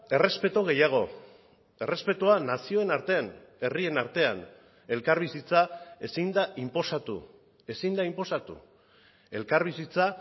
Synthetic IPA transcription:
e̞re̞spe̞t̪oɣ̞e̞jaɣ̞o̞ | e̞rʔespe̞t̪uanasio̞e̞naɾt̪e̞ane̞rie̞naɾt̪e̞an | e̞lkaɾβisit͡sae̞sind̪aimpo̞sat̪ṵ | e̞sind̪aimpo̞sat̪ṵ | e̞lkaɾβ̞isit͡sa

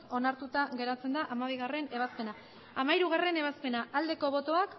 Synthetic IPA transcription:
o̞naɾt̪ut̪aɣe̞ɾat͡se̞nd̪aʔamaβ̞iɣare̞ne̞β̞aspe̞na | amaiɾuɣ̞are̞ne̞β̞aspe̞naʔald̪e̞ko̞βo̞t̪o̞ak

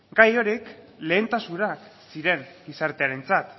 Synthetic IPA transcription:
ɡajo̞ɾik | le̞ːnt̪asunaksiɾe̞ŋɡisaɾt̪e̞aɾe̞nt͡sat̪

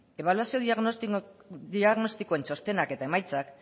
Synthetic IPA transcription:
e̞β̞aluasio̞ðiɣ | iaɣno̞st̪ikoenso̞st̪e̞nake̞t̪aemajt͡sak

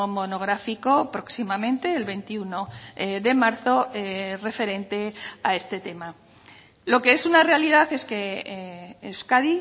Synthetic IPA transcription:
mo̞no̞ɣ̞ɾafiko̞pɾo̞ksimamẽnt̪e̞ːlβe̞nt̪iuno̞ðe̞maɾθo̞re̞fe̞ɾe̞nt̪e̞ae̞st̪e̞t̪e̞ma | lo̞ke̞e̞sunare̞alið̞aθe̞ske̞ | skaði

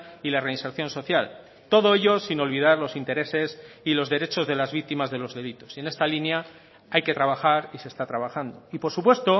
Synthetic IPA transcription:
ilare̞inse̞ɾθjo̞nso̞θjal | t̪oð̞o̞e̞ʎo̞sino̞lβ̞ið̞aɾlo̞sint̪e̞ɾe̞se̞silo̞zðe̞ɾe̞t͡ʃo̞zðe̞lazβik̚t̪imazðe̞lo̞zðe̞lit̪o̞̥sie̞ne̞st̪alinja | ajke̞t̪ɾaβaxaɾise̞st̪at̪ɾaβaxand̪oipo̞ɾsupwe̞st̪o̞

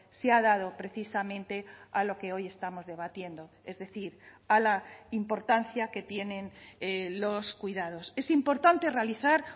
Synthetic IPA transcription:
seaðað̞o̞pɾe̞θisamẽ̞nt̪e̞alo̞ke̞o̞je̞st̪amo̞zðe̞β̞at̪je̞nd̪o̞ | e̞zðe̞θiɾ | alaimpo̞ɾt̪anθjake̞t̪je̞nẽ̞nlo̞skwiðað̞o̞se̞simpo̞ɾt̪ant̪e̞realiθaɾ

